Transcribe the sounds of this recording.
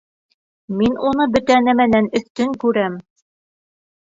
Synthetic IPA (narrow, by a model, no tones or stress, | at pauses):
minunɤbɵ̆t̪ænæmænænɵ̆θt̪ɵŋkʉɾæm